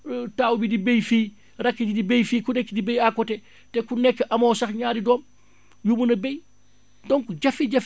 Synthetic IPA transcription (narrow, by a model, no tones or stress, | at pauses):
taːwubidibejfiː | rakːid͡ʒidibejfiːkunɛkːidibejakːɔtɛ | tɛkunɛkːʔamɔsaxɲaːdidɔːm | jumunɐbej | dɔŋkud͡ʒafiɟaf